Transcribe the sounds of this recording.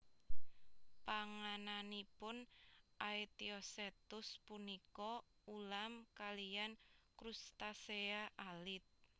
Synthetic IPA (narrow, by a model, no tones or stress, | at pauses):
paŋananipʊnʔait̪iɔset̪ʊspunikɔ | ulamkalijankɾust̪aseaʔalɪt̪̚